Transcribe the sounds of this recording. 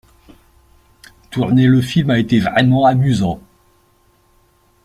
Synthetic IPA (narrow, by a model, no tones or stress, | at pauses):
t̪uʁneləfilmaet̪evʁɛmɑ̃amyzɑ̃